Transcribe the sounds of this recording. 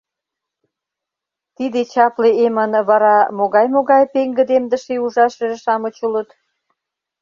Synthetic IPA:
t̪id̪et͡ɕɑpleemənβɑɾɑmoɣɑjmoɣɑjpeŋɡə̆d̪emd̪əʃeuʒɑʃβeɾəʃɑmə̆t͡ɕulət̪

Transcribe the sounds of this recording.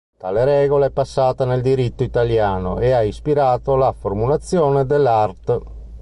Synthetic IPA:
t̪a̰ːleɾɛːɡoleɛpːasːaːt̪aneld̪iɾit̪ːoit̪aljaːno̰ʔeaispiɾaːt̪olafoɾmulat̪sːjɔːned̪elːart̪

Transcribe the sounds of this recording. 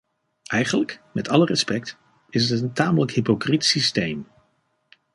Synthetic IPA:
ʔɛjχələkmɛtɑlərɛspɛkt | ɪsətəntaːmələkɦipokritsistejm

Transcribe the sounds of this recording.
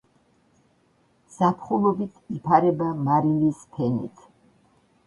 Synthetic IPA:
sapʰχulˠɔbit̪ʰipʰaɾɛbamaɾinispʰɛnḭt̪ʰ

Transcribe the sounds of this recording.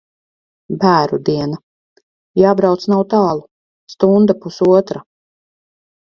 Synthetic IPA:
bæːɾud̪iɛna | jaːbɾawt̪snawt̪ɑːlˠu | st̪und̪apusuɔt̪ɾa

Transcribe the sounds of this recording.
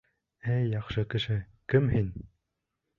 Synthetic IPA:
æjɑχʃɤkɘ̆ʃɘ | kɘmhin

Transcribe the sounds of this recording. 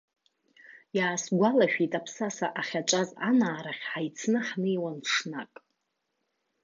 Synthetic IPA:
jaːsɡʷalaʃᶣitʼapʰsasaʔaχʲaʈ͡ʂʷʼazanaːɾaχʲħajt͡sʰnɨħnejwanʂnakʼ

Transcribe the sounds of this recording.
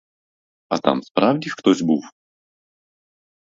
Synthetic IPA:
ɐt̪a̰mspɾawdʲixkt̪ɔzʲbɨw

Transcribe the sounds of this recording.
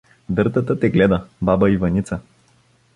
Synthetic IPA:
d̪ɤɾt̪ət̪ət̪ɛɡlɛd̪əbabəivɐnit̪sə

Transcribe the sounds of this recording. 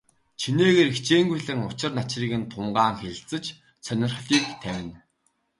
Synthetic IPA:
t͡ɕʰineːɣeːɾixt͡ɕeːŋɡujɮɘ̆ŋʊt͡ɕɪ̆rnat͡ɕriːɣɘ̆nt̪ʰʊɴɢaːŋxeɮt͡sə̆t͡ɕ | t͡sʰœnʲɪ̆rχɮiːkt̪ʰæwʲɪ̆n

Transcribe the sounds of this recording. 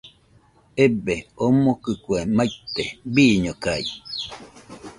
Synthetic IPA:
ebeomokɨkwemajt̪ebiːɲokai

